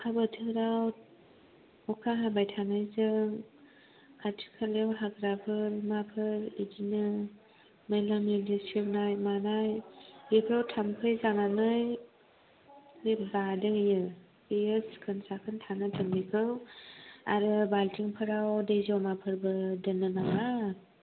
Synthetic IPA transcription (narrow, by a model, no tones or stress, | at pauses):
kʰabətʰɯɾaw | ɔkʰaɦabajtʰanajzɯŋ | kʰatʰi̥kʰalewɦaɡɾabʰɯɾmapʰɯɾidinɯ | melamidistip̚najmanajepʰɾawtʰamkʰɯjzananɯj | lepzadɯŋjɯ | ejɯskʰɯnsakʰɯntʰanɯtʰɯmbikʰɯw | a̰ɾɯbaltʰiŋpʰɯɾawdejzawmapʰɯɾbɯdɯnːɯnaŋa